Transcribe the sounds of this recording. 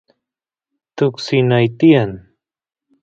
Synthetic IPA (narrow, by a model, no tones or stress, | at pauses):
t̪ʊksinajt̪ijan